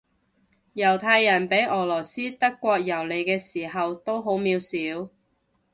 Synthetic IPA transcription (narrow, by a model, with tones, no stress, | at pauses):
jɐ˨˩wt̪ʰaː˧jːɐ˨˩npe˨˥jʔɔː˨˩lɔː˨˩siː˥t̪ɐ˥kːʷɔː˧k̚jɐ˨˩wle˨˧jkɛː˧siː˨˩ɦɐ˨wt̪o˥wɦo˨˥wmiː˨˧wsiː˨˥w